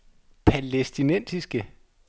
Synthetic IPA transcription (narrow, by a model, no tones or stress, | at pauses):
pʰælesd̥inen̰sisɡ̥ə